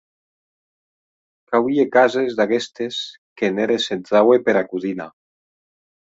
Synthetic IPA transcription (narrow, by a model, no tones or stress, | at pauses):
kawiekazezðakest̪es | keneɾesenzawepeɾakuðina